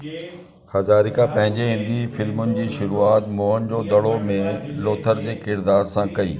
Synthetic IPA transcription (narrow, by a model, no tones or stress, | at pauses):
hɐzaːɾikʰãpɐ̃ɦɪ̃ɲd͡ʑeɦɪ̃n̆d̪ifɪlmʊnɪ̆d͡ʑiːʃʊɾuːaːt̪moːɦənd͡ʑoːd̪ɐɽomẽloːt̪ʰəɾd͡ʑeːkɪɾd̪aːɾsãkɐḭː